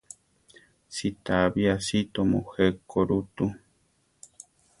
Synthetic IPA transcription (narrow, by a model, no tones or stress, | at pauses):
sit̪aβiasit̪omoxekoɾut̪u